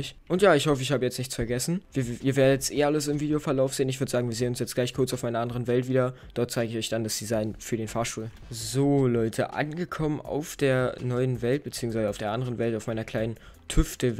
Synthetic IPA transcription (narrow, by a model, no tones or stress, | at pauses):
ɪçʔʊntjaːɪçhɔfəɪçhaːbəjɛt͡stnɪçt͡sfɛɐɡɛsn̩viːɐiːɐveːɐdəjɛt͡stʔeːɐʔaləsɪmviːdejofɛɐlaʊfz̥eːənɪç̬v̥ʏɐdəz̥aːɡŋviːɐzeːənʊnsjɛt͡stɡ̥laɪçkʰʊɐt͡saʊfmaɪnɐʔandəʁənvɛltv̥iːdɐ | d̥ɔɐt̚t͡saɪɡəɪçɔʏçd̥andasd̥izaɪnfyːɐɾeːnfaːɐʃtuːl | zoːlɔʏtʰəʔa̰nɡəkʰɔmənʔa̰ʊfd̥eːɐnɔʏənvɛlt̚b̥ət͡siːʊŋsvaɪzəaʊfd̥eːɐʔandəʁənvɛltaʊmaɪnɐkʰl̥aɪnən | tʰʏftə